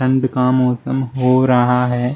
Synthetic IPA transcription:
ɐ̃ɳɖkamɔːsəmɦoːɾɐɦaɦɛː

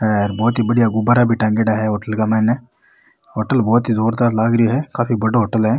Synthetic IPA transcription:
ɛɾbɔːt̪ɦibɐɽijaɡʊbaɾabʱiʈɛ̃ːŋɡeːɖaɦɛɦoːʈəlkamɛ̃ːnɛ | ɦoːʈəlbɔːt̪ɦizoːɾd̪aːɾlaːɡɾəoɦɛkaːpʰibɐɽoɦoːʈəlɦɛ

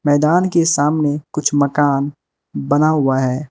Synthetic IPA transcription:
mɛːd̪aːnkesaːmnekʊt͡ʃʰmɐkaːn | bɐnaɦʊaɦɛː

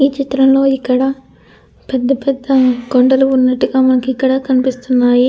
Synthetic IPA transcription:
iːt͡ʃit̪ɾɐmlo̞ːikːɐɽɐ | pɛd̪ːɐpɛd̪ːɐɡoɳɖɐluunːɐʈːuɡaːmɐnɐkuikːɐɽɐkɐnipist̪unːaːji

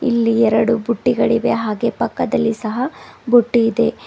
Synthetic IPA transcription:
ḭlːiɛɾɐɽubuʈːiɡɐɭiʋe̞ɦaːɡe̞pɐkːɐd̪ɐlːisɐɦɐbuʈːiːd̪e̞

